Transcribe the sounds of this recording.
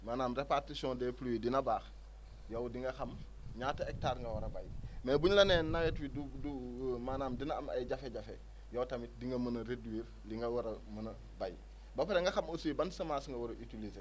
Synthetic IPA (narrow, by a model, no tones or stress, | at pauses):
maːnaːmɾepartisɔ̃ndɛpluwidinɐbaːx | jowdiŋɡɐxɐm | ɲaːtɐek̚taːɾŋɡɐwɐɾɐba̰jmɛbuɲlɐnɛːnnawɛtwidudumaːnaːmdinaamɐ̰jɟafeɟafḛ | jowtɐmit̚diŋɡɐmənɐɾedwiːɾ | liŋɡɐwɔɾɐmənɐ | baj | bɐpɐɾeŋɡɐxɐmosuibansɐmaːsŋɡɐwɔɾɐʔitilize